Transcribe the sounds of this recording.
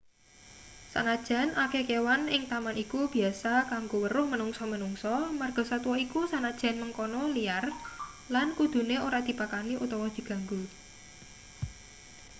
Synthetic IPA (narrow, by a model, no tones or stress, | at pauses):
sa̰nad̥ʒ̥a̤nʔakekewanɪŋt̪amanikub̥i̤asakaŋɡowəɾʊhmənuŋsɔmənuŋsɔmarɡ̥ɔ̤sat̪uwɔikusanad̥ʒ̥a̤nməŋkɔnɔliar | lankud̪̥ṳneoɾad̪̥i̤pakaniʔut̪ɔwɔd̪̥i̤ɡ̥a̤ŋɡu